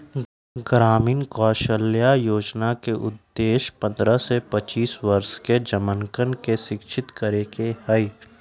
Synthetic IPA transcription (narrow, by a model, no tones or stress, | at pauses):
ɡɾaːmiːnkɔːʃəljajoːd͡ʒnakeʔʊd̪ːeːʃpə̃nd̪ɾəsepət͡ʃiːswɐɾʃked͡ʒəməŋkənkeʃɪkʃʰɪt̪kəɾekehəi